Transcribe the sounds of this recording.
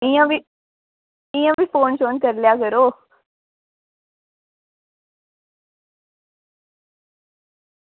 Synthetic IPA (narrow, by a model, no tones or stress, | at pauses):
ĩjə̃ʋi | ĩjə̃ʋiːfoːnɕoːnkəɾljakəɾo